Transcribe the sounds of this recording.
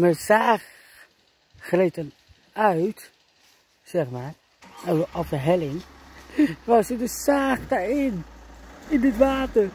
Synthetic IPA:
məsaːχ | retən | œɥt | sɛχmaːr | ɔfdəɦɛlɪŋ | ʋɑsədəsaːχdaɹɪn | ɪndətʋaːtər

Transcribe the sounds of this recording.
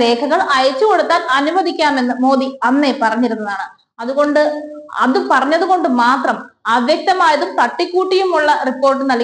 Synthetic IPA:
le̞ːkʰɐɣɐɭɐjɐt͡ɕːuko̞ɽut̪ːaːlʔɐnubɐðikʲːaːme̞nːɨmo̞ːðiɐnːe̞pɐrɐɲːiɾunːɐðaːɳɨ | ɐðuɣo̞ɳɖɨɐ̰ðɨpɐrɐɲːɐðuɣo̞ɳɖɨmaːt̪rɐmɐʋjɐk̚t̪ɐmaːjɐðumkɐʈːikːuːʈːijumuɭːɐripːo̞ːrʈ̬ːɨnɐl

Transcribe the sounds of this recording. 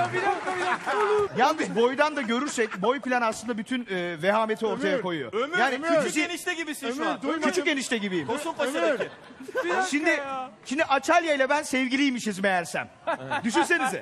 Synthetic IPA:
bi | jalˠnɯzbo̞jd̪and̪aɟø̞ɾyɾsɛc̚bo̞jpilʲanaslˠɯnd̪abyt̪ʰynvɛɦaːme̞t̪ʰio̞ɾt̪ʰajako̞jujo̰jaːniyt͡ʃysiniʃt̪ɛɟibisikʰyt͡ʃyeniʃt̪ʰɛɟibijimosumpa | ʃind̪ɪʃimd̪iʔat͡ʃʰalʲjajlʲˠabænsɛvɟilʲijmiʃizmejæɾsæ̰m | d̪yʃ̬ynse̞niz

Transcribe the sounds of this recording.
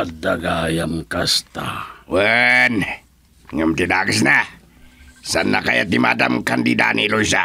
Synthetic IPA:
adaɡajamkast̪awən | ŋəmt̪idaɡəsna | sanːakajat̪imadamkandida̰niloisa

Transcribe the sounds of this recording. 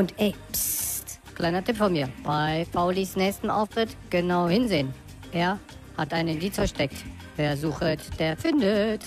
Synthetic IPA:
ʔʊntʔɛpstklʔaɪnɐtʰɪpfɔnmiːɐb̥aɪpaʊlisnɛːçstn̩ʔɔ̰ʊfʁɪtɡ̥ənaʊhɪnzeːən | ʔeːɐ | hatʔaɪnəɪndiːt͡sfɛɐʃtɛk̚t | veːɐzuːxətd̥eːɐfɪndət

